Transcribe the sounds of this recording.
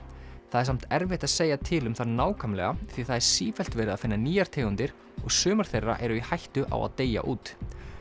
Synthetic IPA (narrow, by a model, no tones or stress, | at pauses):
θaðɛɾ̥sam̥t̪ɛɾvɪht̪aðseːjat̪ʰɪlʏmθaðnaːwkʰamlɛ̰ɣaθiθaðɛɾ̥siːfɛl̥t̪vɛːɾɪðaðfɪnːaniːjaɾ̥t̪ʰeːɣʏnt̪ɪɾ̥ | ɔɣsʏːmaɾ̥θejrːa̰ʔɛɾʏihajht̪ʏʔa̰wa̰ðt̪eːja̰ʔuːt̪